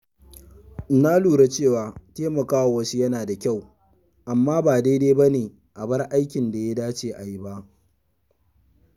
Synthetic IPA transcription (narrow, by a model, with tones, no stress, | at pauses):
na˦luː˨ɾa˦t͡ʃeː˦˨waː˨teː˦mɐ˨kaː˦wa˨wɐ˦si˦jɐ˦naː˨da˨kʲa˦˨w | ʔa˨mːaː˦baː˨da˦jde˦bɐ˦neː˨ | ʔa˨bɐ˦rʔa˦jkʲɪ˨nda˨ja˦daː˦t͡ʃeː˨ʔa˨ji˦ba˦ʔ